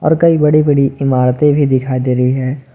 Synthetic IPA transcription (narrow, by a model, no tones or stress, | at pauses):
ɔ̰ːɾkɐibɐɽibɐɽiɪmaːɾt̪ẽbʱid̪ɪkʰaːid̪eːɾɐɦiɦɛː